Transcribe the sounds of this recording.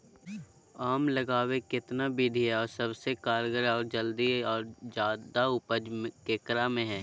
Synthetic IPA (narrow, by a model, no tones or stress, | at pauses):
aːmlɐɡaːwekɪt̪nabiːɖʱiɦɛɔːɾsɐbsekaːɾɡəɾɔːɾd͡ʒəld̪iɔːɾd͡ʒaːd̪aʊpəd͡ʒkeːkɾamẽɦɛː